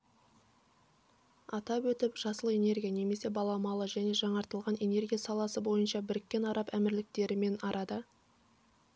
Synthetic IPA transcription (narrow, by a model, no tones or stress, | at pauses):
ɑt̪ɑpwɵt̪ɪpʒ̥ɑsəlˠəe̞ne̞ɾɡʲijane̞me̞se̞bɑlˠɑmɑlˠəʒæne̞ʒɑɴɑɾt̪əlˠʁɑne̞ne̞rɡʲijasɑlˠɑsəbo̞jənʃɑbɪɾɪkʲːe̞nɑɾɑpæmɪɾlɪk̚t̪e̞ɾɪme̞nɑɾɑd̪ə